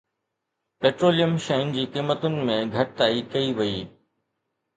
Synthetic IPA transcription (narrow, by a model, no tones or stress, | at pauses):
peːʈɾoːlijəmʃɐʊnd͡ʑiːqiːmːət̪ʊnɪ̆mẽɡʱɐʈ̚t̪aːikɐiʋɐiː